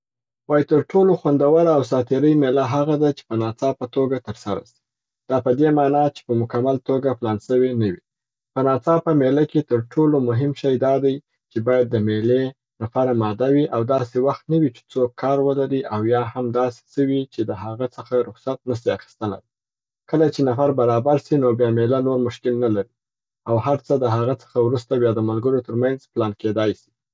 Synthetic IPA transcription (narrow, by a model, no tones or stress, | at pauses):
wɑjit̪əɾʈoloxwand̪awəɾaːws̬ɑt̪ɪɾəjmelaɦaɣad̪at͡ʃe̥pənɑt͡sɑpət̪oɡat̪əɾsaɾa̰si̥ | d̪̥ɑpəd̪emɑnɑt͡ʃe̥pəmʊkamalt̪oɡaplɑnsəwenəwi | pənɑt͡sɑpəmelaket̪əɾʈʰolomʊɦɪmʃajd̪ɑd̪aj | t͡ʃebɑjad̪ːəmele | nafaɾamɑd̪awiʔawd̪ɑsewaxt̪nawit͡ʃe̥t͡sokʰːɑɾwəlaɾiʔawjɑhamd̪ɑse̥səwit͡ʃed̪əɦaɣət͡səxaɾʊxsat̪̚nəʃiaxi̥st̪əla̰d | kəlat͡ʃenafaɾbaɾɑbaɾsinobjɑmelanoɾmʊʃkɪlnalaɾi | awhaɾt͡səd̪əɦaɣat͡sə̥xawɾust̪abjɑd̪əmalɡəɾot̪əɾmanzplɑnked̪ɑjsi̥